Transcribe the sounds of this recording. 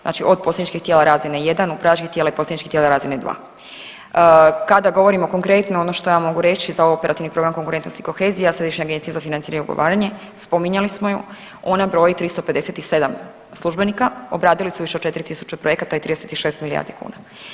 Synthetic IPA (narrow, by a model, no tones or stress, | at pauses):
zna̰ːt͡ʃiʔo̞d̪̚posleɲit͡ʃkixt̪jelˠaɾaːzinejed̪anupɾaat͡ʃkiçt̪jelaiposleɲit͡ʃki̥t̪jelaɾaːzined̪ʋa̰ː | kad̪aɡo̞ʋo̞ɾimo̞ko̞ŋkɾe̞t̪noonoʃt̪o̞jaːmo̞ɡuɾe̞t͡ʃizaoope̞ɾʔat̪iʋnipɾo̞ɡɾamko̞ŋkuɾent̪nost̪i̥ko̞xe̞ːzijasɾe̞d̪iʃɲeaɡent̪sijezafinaniɾaɲeṵɡo̰ʋa̰ːɾaɲe̞ | spo̞miɲalismoju | onabɾo̞ːjit̪ɾist̪oped̪eset̪ise̞d̪am | slˠuʒbe̞nikaobɾaːd̪ilisuʋiʃeo̥t͡ʃe̞t̪iɾit̪isu̥t͡ʃepɾoje̞kat̪ait̪ɾiːd̪eset̪iʃe̞ːst̪milija̰ɾd̪ikṵːna